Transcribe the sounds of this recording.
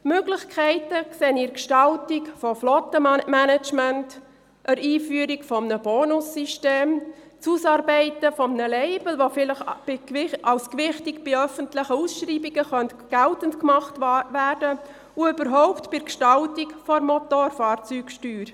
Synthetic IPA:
møɡlɪχkʰɛɪtəkseːnɪɾkʃtɑltikfɔflɔtəmænɛt͡ʃmænt | ʔəɾiːfyəɾikfɔmnəboːnʊsːiʃteːm | t͡susɑːɾbɛɪtəfɔmnəlɛɪb̥əl̩ʋofɪləχb̥ɪɪɑwskʋɪχtɪkb̥ɪœfəntlɪχəusʃɾiːbiɡəχœntɡ̥ɛltəntkmɑχtʋæːɾdə | uʏbəɾɦɔʊptbɪɾkʃtɑltikfɔɾmɔtoɾfɑːɾt͡syːkʃtyːɾ

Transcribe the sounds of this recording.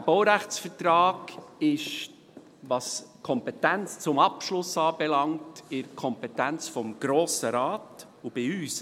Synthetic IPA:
əb̥ɔwɾæχt͡sfətɾɑːɡ̥ɪʃ | ʋɑskʰɔmpɛtænt͡st͡sʊmɑpʃlʊsɑːbɛlɑŋtɪɾkʰɔmpɛtænt͡sfɔmɡ̥ɾoːsəɾɑːt | ub̥ɪyːs

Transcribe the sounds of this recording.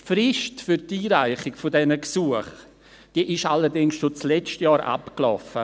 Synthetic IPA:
frɪʃtfyɾtiːɾaɪχɪkfodɛnəksuəχ | d̥iːʔɪʃaləɾdɪŋsʃot͡slɛt͡ʃtjɑːɾʔa̰pklɔ̰fə

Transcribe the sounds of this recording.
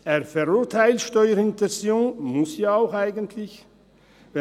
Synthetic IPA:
eːɐfɛʁʊːʁtʰaɪltʃtɔʏəɾɪntɛnsjoːnmʊsjaːaʊxaɪɡəntʰlɪç | vɛ

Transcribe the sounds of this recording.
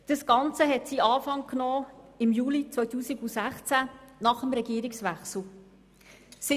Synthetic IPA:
d̥əsɡ̥ɑnt͡səɦɛtsiːɑːfɑŋknɔːɪmjuːlit͡sʋœʏtʰuːsiɡusæχt͡sænɑχəmɾɛɡiːɾɪksʋæχsl̩ | si

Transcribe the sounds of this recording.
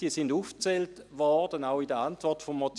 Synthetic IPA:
d̥iəsinduːft͡sɛltʋɔd̥ənaʊidəantvɔʁtfomːot͡s

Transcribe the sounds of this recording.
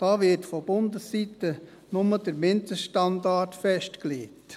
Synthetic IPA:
d̥ɑːvɪɾtfob̥ʊndəsːitə | nʊməd̥əɾmɪntəʃtɑndɑɾtfɛʃtkleːt

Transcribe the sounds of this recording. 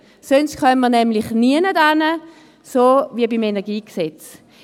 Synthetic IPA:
sonstχœnmənɛmlɪχniənədanə | soviəbimenɛɐɡiːkset͡s

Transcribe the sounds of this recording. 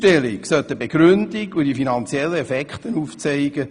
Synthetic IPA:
tɛliksœt̪əbeɡ̥ɾʏndɪkudifinɑnt͡sjɛlːəɛfɛkχt̪ənuːft͡sɛɪɡ̥ə

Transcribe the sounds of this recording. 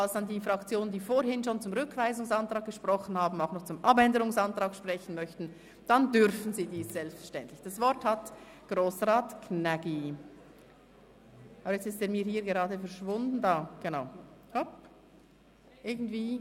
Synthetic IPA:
alsd̥ɑndiːfʁɑkt͡sjoːnəndiːfoːɾhɪnʃoːnt͡sʊmʁʏkv̥aɪzʊŋsantʁ̥aːɡ̚ɡ̥əʃpʁ̥ɔχn̩haːbm̩aʊxnɔχt͡sʊmʔɑbɛndəɾʊŋsantʁ̥aːkʃpʁ̥ɛçən̩mœçtn̩ | d̥andʏɾfn̩ziːdiːsz̥ɛlpstfɛɐʃtɛntlɪçd̥ɑsvɔɾthat | ɡ̥ʁoːsʁaːtkʰnɛɡi | ʔɑːbəjɛt͡sɪsteːɾmiːɐɦiːɾɡeʁɑːdəfɛɐʃvʊndn̩daːɡ̥enaʊhop | ʔɪɐɡn̩tv̥iː

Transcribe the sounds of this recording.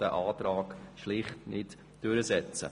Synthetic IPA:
d̥əʔaːt̪ɾɑːkʃlɪχtnɪt | d̥ʏɾəzɛt͡sə̰

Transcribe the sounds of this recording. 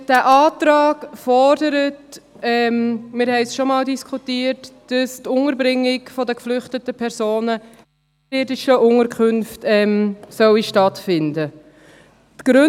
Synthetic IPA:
d̥æːʔɑːtɾɑːɡfɔɾdəɾət | ɛmmɪɾhɛɪsʃɔmɑːldiskχutiːəɾtd̥ɑstʊŋəɾbɾɪŋːɪɡfɔdəkflʏχtətəpʰɛɾsoːnə | ɪdɪʃəʔʊŋəɾkʰʉnftɛmsœwiʃtɑtfɪndə | tɡ̥ɾʉ

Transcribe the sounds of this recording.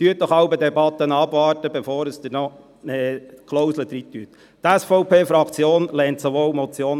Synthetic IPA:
t̪yət̚ːɔχhɑʊbəd̪ɛbɑt̪ːənɑbʋɑːɾtəbefoːɾəsd̪ənɔ | ɛːkʰlɔwsləd̪ɾit̪ːyət̪ | t̪æsfɔʊpʰeːfɾɑkt͡sjoːnlɛːntsoʋoːwmɔt͡sjoːn

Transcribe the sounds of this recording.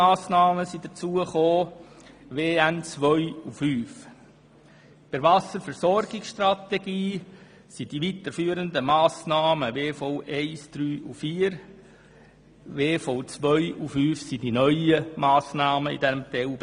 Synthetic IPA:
aːsnɑːməsidət͡suəχoː | ʋeːænt͡sʋœʏufyːf | pɪɾvɑsəɾfɛɾsɔɾɡɪksʃtrɑt̪eɡiː | sid̥iʋit̪əɾfyːəɾəndəmɑːsnɑːməʋeːfoʊʔɛɪsd̥ɾyːʔufiːəɾ | ʋeːfoʊt͡sʋœʏufyːfsidinœʏəmɑːsnɑːməḭdɛmt̪ɛwb

